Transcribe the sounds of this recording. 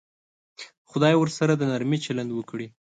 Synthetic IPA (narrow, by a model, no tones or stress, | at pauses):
xʊd̪ɑjwəɾsaɾad̪ənaɾmit͡ʃaland̪wəkɽi